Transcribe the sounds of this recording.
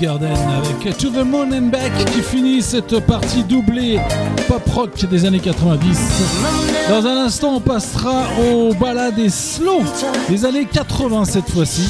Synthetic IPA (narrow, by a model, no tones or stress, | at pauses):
ɡaʁd̪ɛnavɛkt̪uəmɔnɛnbakʲːifinisɛt̪paʁt̪ʰid̪ublepɔpχɔkd̪ezanekat̪χəvɛ̃d̪is | d̪ɑ̃zɛ̃nɛ̃st̪ɑ̃ɔ̃pasχaobalad̪eslod̪ezanekat̪χəvɛ̃sɛt̪fwasi